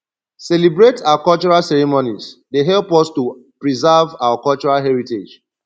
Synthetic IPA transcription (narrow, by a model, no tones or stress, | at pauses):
sɛlibɹetʰaakɔlt͡ʃɔɹalsɛɹimonisdeɦɛlpɔstupɹizavawakɔlt͡ʃɔɹalɦɛɹited͡ʒ